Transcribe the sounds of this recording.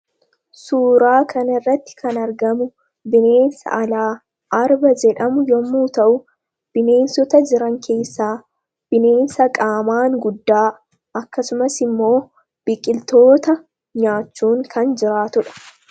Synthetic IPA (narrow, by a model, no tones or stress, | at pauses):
suːɾaːkɐnɪrːɐt̪ːɪ̥kʰɐnɐɾɡɐmʊ | bɪne̞ːnsɐ̰ʔɐlaː | ʔɐɾbɐd͡ʒɛᶑɐmʊjɔmːuːt̪ɐʔʊ | b̥ɪne̞ːnsɔt̪ɐd͡ʒɪɾɐŋkʰe̞ːsːaː | b̥ɪne̞ːnsɐkʼaːmaːŋɡʊd̪ːaː | ɐkːɐsʊmɐsɪmːo̞ː | b̥ɪkʼɪlt̪o̞ːt̪ɐ | ɲaːt͡ʃːuːŋkʰɐnd͡ʒɪɾaːt̪ʊᶑɐ̥